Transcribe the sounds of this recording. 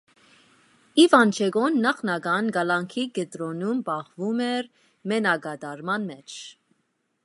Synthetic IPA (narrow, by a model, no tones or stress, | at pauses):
ivɑnt͡ʃʰɛɡɔnːɑχnɑɡɑnɡɑlɑŋkʰiɡɛt̪ɾɔnumbɑʁvumɛɾ | mɛnɑɡɑd̪ɑɾmɑnmɛt͡ʃʰ